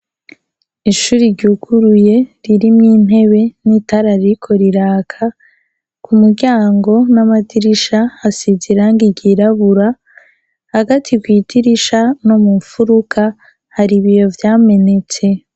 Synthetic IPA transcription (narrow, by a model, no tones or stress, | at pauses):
iʃuːɾiɾɟuːkʰuɾuje̞ɾiɾimŋiːn̥e̞βe̞nitaɾaɾiikʰo̞ɾiɾaːkʰa | kʰumuɾɟaːŋɡo̞namatiɾiʃaːsiziɾaŋɡiɟiɾaβuɾa | haɡatʰikwiːtʰiɾiʃano̞mufuɾukʰa | haɾiβijo̞vjaːme̞ne̞t͡se̞